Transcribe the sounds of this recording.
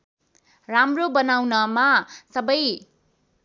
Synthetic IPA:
ramrobʌnawnʌmasʌbʌj

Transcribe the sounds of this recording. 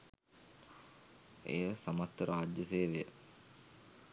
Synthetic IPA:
ḛjəsamat̪ːəɾʔaːd͡ʒjəseːʋejə

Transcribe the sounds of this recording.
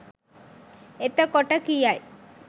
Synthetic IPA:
et̪əkɔʈəkijaj

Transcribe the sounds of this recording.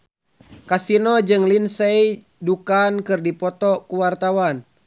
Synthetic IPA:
kasinɔd͡ʒɨŋlinsej | dukankɨrdipɔt̪ɔkuwart̪awan

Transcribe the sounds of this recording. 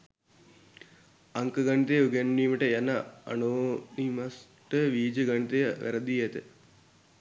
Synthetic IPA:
ɐŋkəɡɐɳit̪ejuɡenːiːməʈəjanaa̰noːnimɐs | ʈəʋiːd͡ʒəɡɐɳit̪ejəʋʔæ̰ɾəd̪iet̪ə

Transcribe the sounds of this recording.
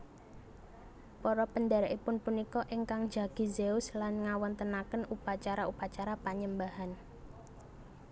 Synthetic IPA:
pɔɾɔpəndaɾɛʔipʊnpunikɔʔiŋkaŋd͡ʒaɡ̥i̤zeʊslanŋawɔnt̪ənakənupat͡ʃaɾaupat͡ʃaɾapaɲəmbaɦan

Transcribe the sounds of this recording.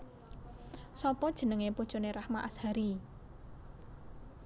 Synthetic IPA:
sɔpɔd̥ʒ̥ə̤nəŋepud̥ʒ̥oneɾahmaʔashaɾi

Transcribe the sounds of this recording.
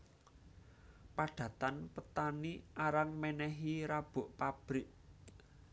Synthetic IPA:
paɖ̥ä̤t̪anpət̪aniʔaɾaŋmɛnɛɦiɾab̥ʊ̤ʔpab̥ɾɪʔ

